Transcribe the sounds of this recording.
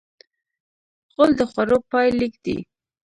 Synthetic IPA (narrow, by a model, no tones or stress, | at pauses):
ɣold̪əxwaɾopɑjlikd̪̥ḭ